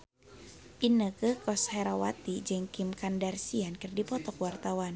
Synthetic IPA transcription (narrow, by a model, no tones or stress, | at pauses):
ʔinəkəkɔsheɾawat̪id͡ʒəŋkimkandarsiankɨrdipɔt̪ɔkwart̪awan